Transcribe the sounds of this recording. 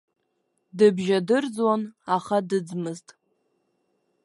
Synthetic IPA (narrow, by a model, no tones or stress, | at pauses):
dɨbʒadɨrd͡zwanaχadɨd͡zmɨztʼ